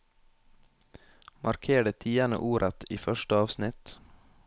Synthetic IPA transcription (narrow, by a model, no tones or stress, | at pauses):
mʔɑɾkʰeːɖət̪ʰiːənə̰ʔuːɾʔət̪iːfœʃʈəɑːʋsnɪt̪